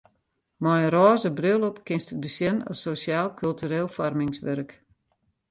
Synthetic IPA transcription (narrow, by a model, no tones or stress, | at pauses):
majəɾɔːzəbrølˠɔpkɪnstət̚bəsjɪnə̰sosjaːlˠkʰylˠtyɾeːlˠfɔrmɪŋsʋørk